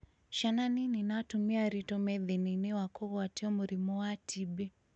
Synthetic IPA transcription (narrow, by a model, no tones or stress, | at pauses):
ʃananininatumiaɾitɔmɛðininɛwakɔɣɔatiɔmuɾimɔwatʰibɛ